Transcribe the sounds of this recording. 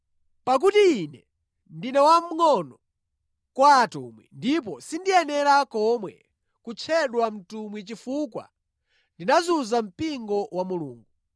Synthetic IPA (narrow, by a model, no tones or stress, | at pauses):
pak̬utiːnɛ | ndinɛwam̩ŋɔnɔ | kwaːtṵmwḭndip̬ɔsindijɛnɛɾakɔmwɛ̰ | kut͡ʃʰɛɗwam̩tumwit͡ʃifukwa̰ | ndinazuzam̩piŋɡɔwamuluːŋɡu